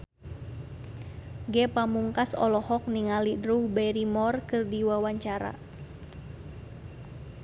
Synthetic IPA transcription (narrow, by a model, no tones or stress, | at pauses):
ɡɛpamuŋkasɔ̰lɔhɔk̚niŋalidɾuhbɛjɾimɔrkɨrdiwawaɲt͡ʃaɾa̰